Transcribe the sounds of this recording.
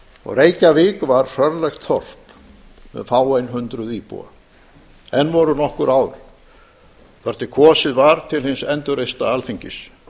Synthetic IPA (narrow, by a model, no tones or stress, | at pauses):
ɔ̰ɣreːjcavɪːkvaɾ̥r̥œɾlajxt̪θɔr̥p | mɛ̰ðfaːwejnɦʏnt̪ɾʏðiːpṵa̰ | ɛnːvɔɾʏnɔhkʏɾaːwɾ | θɔɾ̥t̪ɪkʰɔːsɪðvaɾ̥t̪ʰɪlhɪnsɛnt̪ʏɾejst̪aalfiɲcɪs